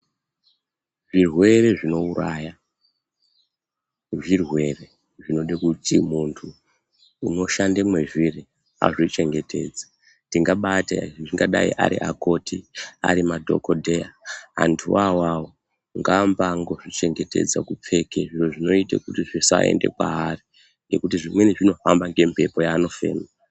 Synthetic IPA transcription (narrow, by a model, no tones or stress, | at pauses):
ʐirwe̞reʐino̞uɾaːja | ʐirwe̞re̞ | ʐino̞ɗikutimuntʰuː | no̞ʃandemwe̞ʐiri | a̰ʐit͡ʃe̞ŋɡe̞tʰe̞̰d͡zḁ | ndiŋɡaɓatḛʐiŋɡaɗaḭʔa̰ɾḭʔako̞tia̰ɾimadʱo̞̰kodʱejaa̰ntʰuwawawo | ŋɡambaŋɡo̞ʐit͡ʃe̞ŋɡe̞te̞̰d͡zakup͡fe̞keʐiʐoʐino̞ita̰kutiʐisa̰ḛnde̞̰kwa̰ari | nɡe̞kutiʐimweniʐino̞fambaŋɡe̞mpʰe̞po̞jaːno̞fḛːna